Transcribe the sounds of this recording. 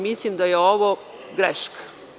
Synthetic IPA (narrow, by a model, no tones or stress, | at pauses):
mislimd̪ajeoʋo | ɡɾeʃk